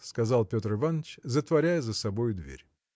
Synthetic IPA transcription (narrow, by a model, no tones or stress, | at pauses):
skɐzɑlˠpʲo̞t̪rɨvanːət͡ɕzət̪vɐɾʲæjəzəsɐbo̞jʊd̪vʲḛɾʲ